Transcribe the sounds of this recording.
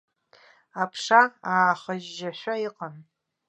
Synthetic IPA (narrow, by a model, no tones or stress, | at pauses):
apʰʂaaːχaʒːaʃᶣʷaiqʼan